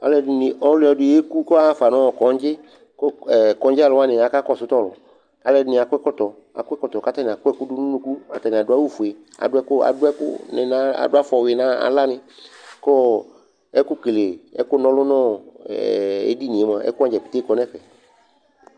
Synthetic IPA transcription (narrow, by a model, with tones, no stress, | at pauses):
a̰˨le˦n˨ʔɔ˦lʊ˦ɔ˨ɖʊ˨je˦ku˦kɔ˦a˦fa˨nɔ̃˦wɔ˨kɔ˨˦n˦d͡ʒɪ˦ | ko˦˨kɔ̃˨˦d͡ʒa˦˨lʊ˨a˦nɪ̃˨a˨ka˦kɔ˦˨sʊ˦t̪ɔ˦lʊ̰˨ | a˨le˦nɪ̃˨a˨kɛ˦kɔ˦t̪ɔ˨ | a̰˨kʊ˦ɛ˦kɔ˦t̪ɔ˨ka˦t̪a˦nĩ˨a˨kʊ˦ɛ˦kʊ˦ɖʊ˦nũ˦nũ˦ku˦a˨t̪a˦nĩ˨a˨dʊ˨˦a˦wu˦fu˨e˨ | a̰˨ɖʊ˦ɛ˦kʊ˦a̰˨dʊ˦ɛ˦kʊ̰˦nḛ˨nã˦a̰˨dʊ˦a˦fɔ˨we˨nã˦a̰˨la˦nɪ̃˨kɔ˦ | ɛ˦kʊ˦ke˨le˨ɛ̰˦kʊ˦nɔ̃˦lʊ˦nɔ̃˦˨ | ḛ˦di˦nĩ˨e˨˦mã˨ɛ̰˦ku˦a˨˦d͡ʒɛ˨pi̥˨t̪e˦kɔ˨˦nɛ̃˦ɸɛ˨